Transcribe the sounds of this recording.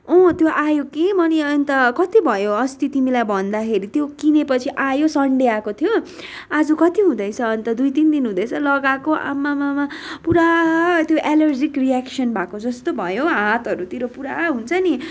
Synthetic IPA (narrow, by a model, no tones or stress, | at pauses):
õt̪joʔajokemʌniʌʌnt̪ʌkʌt̪ibʱʌjoʌst̪it̪imilajbʱʌnd̪akʰeɾit̪jokinepʌt͡sʰiʔajosʌɳɖeakot̪ʰjo | ad͡zukʌt̪iɦũd̪ʌjt͡sʰʌːnt̪ʌd̪ujt̪ind̪inɦũd̪ʌjt͡sʰʌlʌɡakoʔa̰mːamamapuɾat̪joʔelʌrd͡zikriaksʌnbakod͡zʌst̪obʱʌjoɦãt̪ʌɾut̪iɾopuɾaɦunt͡sʰʌni